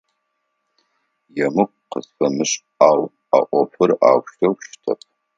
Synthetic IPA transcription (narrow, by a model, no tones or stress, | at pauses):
jɛmɨq̚ʷʼqəzfɐmɨɕʼ | aːw | a̰ʔʷɔpʰɨra̰ːwʃtʰɐwʃtʰɐp̚ʰʼ